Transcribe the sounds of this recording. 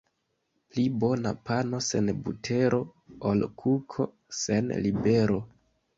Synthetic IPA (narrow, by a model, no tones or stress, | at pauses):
plibo̞na̰pano̞se̞̰nbṵtʰe̞ɾʔo̞olkʰukʰo̞̰ | se̞nlibe̞ɾo̞